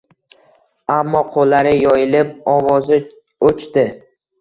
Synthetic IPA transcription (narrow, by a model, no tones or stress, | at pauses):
amːɒqʰolːaɾɪjɒjɪlɪp̚ɒvɒzɪ | ot͡ʃt̪ɪ